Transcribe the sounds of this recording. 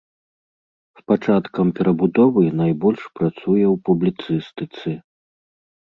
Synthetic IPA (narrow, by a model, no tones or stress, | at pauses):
spat͡ʂat̪kɐmpʲɛɾɐbud̪ɔvɨnajbɔlʲʂpɾat̪sujɛwpublʲit̪sɨst̪ɨt̪sɨ